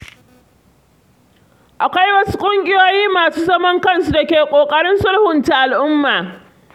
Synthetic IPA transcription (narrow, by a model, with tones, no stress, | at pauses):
ʔa˨kʷa˦jwɐ˦su̥˦kʷʼʊ˦ŋɡʲʼɪ˦joː˦jiː˦maː˨suː˦zɐ˦mɔ˦ŋkɐ˦˨nsu˦da˨kʲeː˨kʷʼoː˨kʼɐ˦ɽɪ˦nsʊ˦lhʊ˨nta˨ʔa˨lʔʊ˦mːaː˨